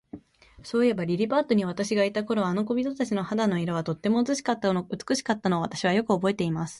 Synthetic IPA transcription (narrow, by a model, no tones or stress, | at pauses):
so̞ːie̞baɾʲiɾʲibaːt̪o̞ɲ̟iβat̪aɕiɡait̪ako̞ɾo̞ano̞k̬o̞bʲit̪o̞t̪at͡ɕino̞had̪ano̞iɾaβ̞at̪o̞t̪ːe̞mo̞ːt͡sɨɕi̥kat̪ːaoɯ̟t͡sɨ̥kɯ̟ɕi̥kat̪ːano̞ːβat̪aɕiβ̞ajo̞kɯ̟o̞bo̞e̞t̪e̞imasɨ̥